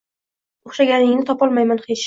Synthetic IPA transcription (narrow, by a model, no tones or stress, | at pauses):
oχʃaɡʲanɪŋnɪt̪ʰɒpɒlˠmajmanχet͡ʃ